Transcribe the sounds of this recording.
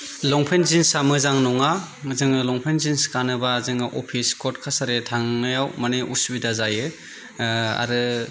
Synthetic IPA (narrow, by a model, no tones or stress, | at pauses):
lɔŋpʰenzinsamɯzaŋnɔŋa | zɯŋɯlɔŋpʰenzinskanɯbazɯŋɯʔopʰiskʰɔɾt̚kʰasaɾetʰaŋnajawmaneʔusbidazajɯ | a̰ɾɯ